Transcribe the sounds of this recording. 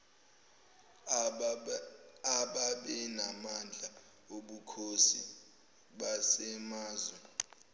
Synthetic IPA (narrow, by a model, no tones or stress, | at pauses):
aɓaɓɛnamand͡ɮʱa | oɓukʰosi | ɓasɛmaːzwɛ